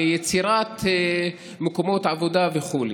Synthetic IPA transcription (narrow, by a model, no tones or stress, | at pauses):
jet͡siɾat̪ | mekomo̞t̪ʕavod̪aveχule